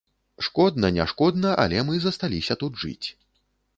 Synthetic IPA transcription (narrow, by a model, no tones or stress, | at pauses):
ʂkɔd̪nɐnʲa̰ʂkɔd̪nɐʔɐ̰lʲɛmɨzɐst̪alʲisʲɐt̪ud̪ʐɨ̰t͡sʲ